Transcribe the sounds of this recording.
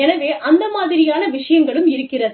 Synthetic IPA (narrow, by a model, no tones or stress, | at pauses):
ɛnɐʋeːʔɐnd̪ɐmaːðɪɾɪjaːnɐʋɪʂɐjɐŋɡɐɭɯmɪɾɯkːɪrɐðɯ